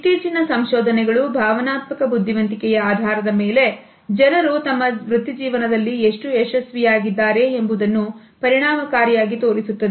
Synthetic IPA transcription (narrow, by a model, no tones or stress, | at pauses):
iʈ̪iːt͡ʃinɐsɐmʃɔːd̪ɐnɛɡɐɭubʱaːʋɐnaːt̪mɐkɐbud̪ʱːiʋɐnt̪ikɛjɐaːd̪ʱaːɾɐd̪ɐme̞ːle̞ | d͡ʒɐnɐɾut̪ɐmːɐʋɾut̪id͡ʒiːʋɐnɐd̪ɐlːieʂʈueʃɐsʋijaːɡid̪ːaːɾe̞embud̪ɐnːu | pɐɾiɳaːmɐkaːɾijaːɡit̪o̞ːɾisut̪ːɐd̪e